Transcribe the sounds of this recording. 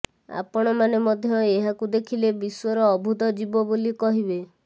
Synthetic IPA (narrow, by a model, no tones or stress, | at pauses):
a̰pɔɽ̃ɔmanemɔd̪ʱjɔeɦakud̪ekʰilebiswɔɾɔːbʱud̪ɔd͡ʒibɔbolikɔɦibe